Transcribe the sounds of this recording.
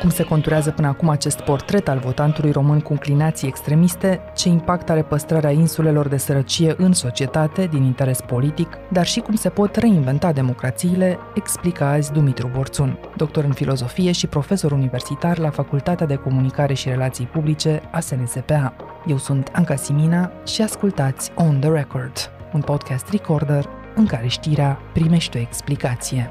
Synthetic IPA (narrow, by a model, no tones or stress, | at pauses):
kumse̞ko̞nt̪uɾeazəpɨnəakumat͡ʃe̞st̪po̞rt̪ɾe̞t̪alvo̞t̪ant̪ulujro̞mɨnkuɨŋklinat̪sije̞kst̪ɾe̞mist̪e̞t͡ʃe̞impakt̪aɾe̞pəst̪ɾaɾeainsule̞lo̞rd̪e̞səɾət͡ʃije̞ʔɨnso̞t͡ʃie̞t̪at̪e̞d̪inint̪e̞ɾe̞spo̞lit̪ik | d̪arʃikumse̞po̞t̪re̞inve̞nt̪ad̪e̞mo̞kɾat̪siːle̞ | eksplikazʲd̪umit̪ɾubo̞rt̪sund̪o̞k̚t̪o̞ɾɨnfilo̞zo̞fije̞ʃipɾo̞fe̞so̞ɾunive̞rsit̪arlafakult̪at̪ead̪e̞ko̞munikaɾe̞ʃiɾe̞lat̪sijpublit͡ʃe̞ase̞nese̞pe̞a | je̞wsunt̪ʰaŋkasiminaʃiaskult̪at̪sʲond̪əɾeko̞rd̪unpo̞d̪̚kʰɛst̪riko̞rd̪ər | ɨŋkaɾe̞ʃt̪iɾeapɾime̞ʃt̪eo̞e̞ksplikat̪sije̞